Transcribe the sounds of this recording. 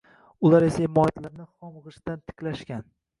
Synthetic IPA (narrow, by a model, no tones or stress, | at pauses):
ʊlaɾesaɪmɒjat̪laɾnɪχɒmʁɨʃd̪ant̪ʰɪ̥kʲlaʃkʲan